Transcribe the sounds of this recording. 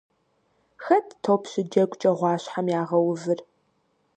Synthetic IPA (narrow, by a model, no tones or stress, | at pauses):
xɐtʰtʰopʰɕɪd͡ʒɐɡʷʼt͡ʃʼɐʁʷɑːɕħamjaːʁɐwʊvɨr